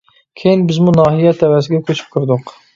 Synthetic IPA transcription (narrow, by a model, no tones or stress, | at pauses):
kʲʰejinbɪzmunɑːɦijɛt̪ʰɛwɛs̬ɪɡʲɛkʲʰøt͡ʃʰy̥p̚kʰʲyɾd̪ʊq